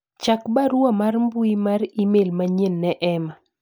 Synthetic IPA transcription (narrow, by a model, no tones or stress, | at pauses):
t͡ʃakbaɾwomarmbuimarimelmaɲenːɛʔɛma